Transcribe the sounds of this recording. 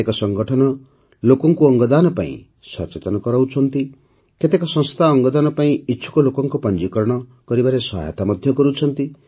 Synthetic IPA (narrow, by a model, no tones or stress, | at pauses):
ekɔsɔŋɡɔʈʰɔnɔ | lokɔŋkuɔŋɡɔd̪anɔpa̰ḭ̃ | sɔ̰ɾt͡ʃet̪ɔnɔkɔɾawt͡ʃʰɔnt̪i | ket̪ekɔsɔ̃st̪ʰaɔŋɡɔd̪anɔpaĩitːt͡ʃʰu̥kɔlokɔŋkupɔnd͡ʒikɔɾɔɽ̃ɔkɔɾibaɾesɔɦa̰jḛt̪amɔd̪ʱjɔkɔɾut͡ʃʰɔnt̪i